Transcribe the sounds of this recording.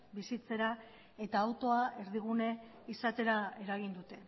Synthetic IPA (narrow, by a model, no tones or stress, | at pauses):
bisit͡se̞ɾa | e̞t̪aːwt̪o̞aʔe̞ɾðiɣ̞une̞ | isat̪e̞ɾae̞ɾaɣ̞ind̪ut̪e̞